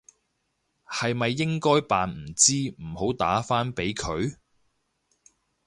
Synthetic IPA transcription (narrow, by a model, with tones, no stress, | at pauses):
hɐ˨jmɐ˨jːɪ˥ŋkɔː˥jpaː˨nm̩˨˩t͡siː˥m̩˨˩ho˨˥wt̪a̰ː˨˥faː˥npe˨˥jkʰɵ˨˧ɥ